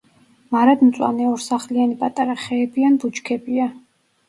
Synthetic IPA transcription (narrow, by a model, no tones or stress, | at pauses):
maɾad̪mt̪sʼwa̰nɛɔɾsaχlianipʼat̪ʼaɾaχɛːbianbut͡ʃkʰɛbia